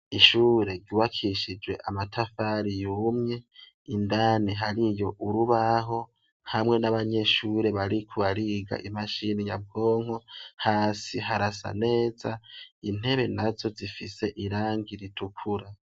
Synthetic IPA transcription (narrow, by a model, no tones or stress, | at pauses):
iʃuːɾe̞ɾɟuwakʰiʃid͡ʒwe̞̰ʔamatʰafaɾijumɲe̞ | indaːneɦaɾijo̞ʔuɾuβaɦo̞ | hamŋe̞naβaɲe̞ʃuːɾe̞βaɾikʰuβaɾiːɡa̰ʔimaʃinija̰b̚ɡo̞ːŋ̥ohaːsiɦaɾasa̰ne̞ːzain̥he̞βe̞nazo̞zifise̞ʔiɾaːŋɡiɾitʰukʰuɾa